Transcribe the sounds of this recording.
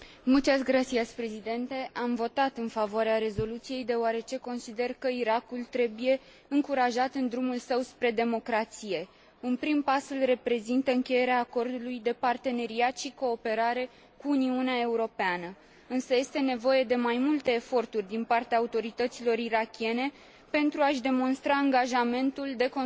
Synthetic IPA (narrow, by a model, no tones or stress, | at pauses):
mult͡ʃ̪asɡɾat̪sijasʲpɾe̞zid̪e̞nt̪e̞ʔamvo̞t̪at̪ɨnfavoaɾeaɾe̞zo̞lut̪sije̞jd̪e̞oaɾe̞t͡ʃe̞ko̞nsid̪e̞rkəiɾakult̪ɾe̞buje̞ | ɨŋkuɾaʒat̪ɨnd̪ɾumulsəwspɾe̞d̪e̞mo̞kɾat̪sije̞ | ɨnpɾimpasulre̞pɾe̞zint̪əɨŋkʲe̞je̞ɾeaːko̞rd̪ulujd̪e̞part̪e̞ne̞ɾiat̪ʃiko̞ːpe̞ɾaɾe̞ | kuːniuneae̞uɾo̞peanə | ɨnsəje̞st̪e̞ne̞vo̞je̞d̪e̞majmult̪e̞ːfo̞rt̪urʲd̪inpart̪eaːut̪o̞ɾit̪ət̪silo̞ɾiɾakʲie̞ne̞ | pe̞nt̪ɾuaʃd̪e̞mo̞nst̪ɾaːŋɡaʒame̞nt̪uld̪e̞ko